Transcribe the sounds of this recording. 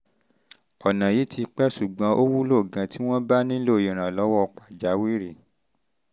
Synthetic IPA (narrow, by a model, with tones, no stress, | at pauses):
ɔ˨nã˨ji˨˦ti˧k͡pɛ˦ʃu˨ɡ͡bã˧˦ʔo˦wu˦lo˦˨ɡã˨˧ti˦w̃ɔ̃˦ba˦nĩ˦lo˦˨ĩ˨ɾ̃ã˨lɔ˨˦wɔ˦˧k͡pa˨d͡ʒa˨˦wi˦ɾi˦˨